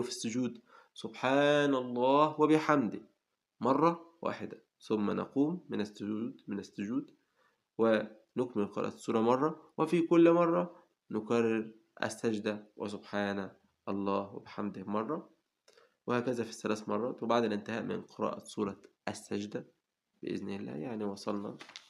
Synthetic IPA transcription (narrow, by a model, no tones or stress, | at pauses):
fisːʊd͡ʒuːd̪ | sʊbħaːnɑlˤːɑːhwæbɪħamd̪ɪh | mɑrˤːɑwa̰ːħɪd̪æ | θʊmːænʔɑ̰quːmːɪnæsːʊuːd̪mɪnæsːʊd͡ʒuːd̪ | wɪ | nʊkmɪlqɾɑ̰ːʔsˤːuːɾˤɑmɑrˤːɑwʔefikʊlːmɑrˤːɑ | nokærːeɾ | ʔæ̰sːæd͡ʒd̪æwʔḛs̬ʊbħaːnæ | ʔɑlˤːɑːhwebeħamd̪ɪhmɑrˤːɑ | wehæːkæzæfi̥θælæːsmɑrˤːɑːt̪webaʕd̪ælʔɪnt̪ehæːʔmɪ̰nqʰeɾæ̰ːʔɑ̰sˤuːɾˤɑʔæsːæd͡ʒd̪æ | b̥ɪ̰ʔɪ̰znɪlːæ̰ːjaʕniwɑsˤɑlnɑ̰